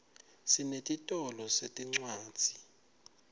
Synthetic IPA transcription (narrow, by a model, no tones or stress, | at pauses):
sinetʼitʼɔlɔsetʼiŋ͡ǀwaːd̥z̥ʱi